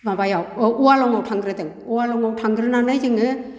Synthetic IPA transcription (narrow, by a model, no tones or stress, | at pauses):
mabajawɯuwalɔŋawtʰaŋɡɾɯdɯŋ | uwalɔŋawtʰaŋɡɾɯnanɯjzɯŋɯ